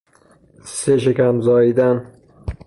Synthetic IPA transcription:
seʃekæmzɒːid̪æn

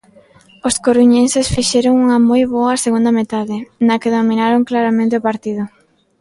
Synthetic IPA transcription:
oskoɾuɲensesfiʃɛɾoŋuŋɐmojβoɐseɣund̪ɐmet̪aðɪnɐkeðomĩnaɾoŋklaɾamẽnt̪̬eopaɾt̪iðʊ

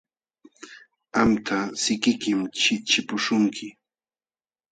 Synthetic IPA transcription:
amt̪ʰasɪkɪkɪmt͡ʃɪt͡ʃɪpʊʃʊŋkʰɪ

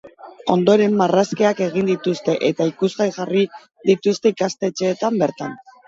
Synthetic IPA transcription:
o̞nd̪o̞ɾe̞mːaraskeake̞ɣ̞ind̪it̪ust̪e̞ʔe̞t̪aikuzɣajʝari | ðit̪ust̪e̞ikast̪e̞t͡ʃe̞ːt̪ambe̞ɾt̪an

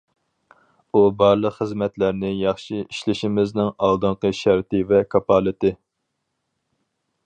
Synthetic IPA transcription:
ubɑɾlˠəqχəzmɛt̪læɾnɪjɑχʃiiʃlɪʃɪmɪznɪŋɑlˠd̪ɨɴqəʃæɾt̪ɪvɛkʰɑpɑlˠɨt̪ɪ

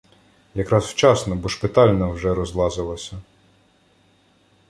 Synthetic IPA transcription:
jɐkɾɑsw̥t͡ʃɑsnɔbɔʃpɪt̪ɑlʲnɔwʒɛɾɔzlˠɑzɪlˠɐsʲɐ

